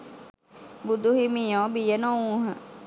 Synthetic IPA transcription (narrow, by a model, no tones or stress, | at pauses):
bud̪ʱuɦimijoːbijənoũːɦə